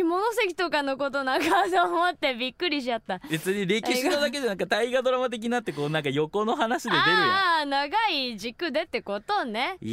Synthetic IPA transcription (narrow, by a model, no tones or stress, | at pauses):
imo̞no̞se̞kʲi̥t̪o̞kano̞ko̞t̪̬o̞naɡat̪oːmot̪ːe̞bʲikːɯ̟ɾʲiɕiat̪ːãbe̞t͡sɨɲ̟iɾe̞kʲiɕinod̪ak̬e̞d͡ʑanaŋkat̪aiɡad̪o̞ɾamat̪̬e̞k̬ʲiɲinat̪ːe̞ko̞ːnãŋkajo̞ko̞no̞ɦanaɕid̪ed̪eɾɯjnaɡaid͡ʑikɯ̟d̪e̞t̪ːe̞ko̞t̪o̞ne̞